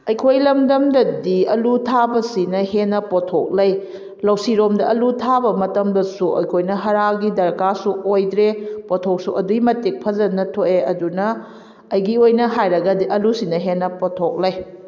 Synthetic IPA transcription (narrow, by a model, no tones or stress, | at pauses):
ɐjkʰojlɐmdɐmdɐdiɐlutʰabɐsinɐhenːɐpotʰok̚lɐj | lɐwsiɾomdɐɐlutʰabɐmɐtɐmdɐsuɐ̰jkʰojnɐɦɐɾaɡidɐɾkasuojdɾepotʰok̚suʔɐduimɐtik̚pʰɐzɐnɐtʰoʔeɐdunɐː | jɡiojnɐɦajɾɐɡɐdiʔɐlusinɐɦenːɐpotʰok̚lɐj